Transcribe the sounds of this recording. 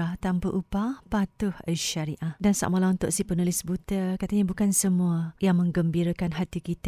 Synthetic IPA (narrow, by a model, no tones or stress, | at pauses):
t̪ampəʔupapat̪ʊha̰ʃaɾiʔahdansa̰ʔmalaunt̪ʊ̰ʔsihpənulɪsbut̪əkat̪aɲabukansəmũajaŋmə̃ŋɡəmbiɾakanɦat̪ikit̪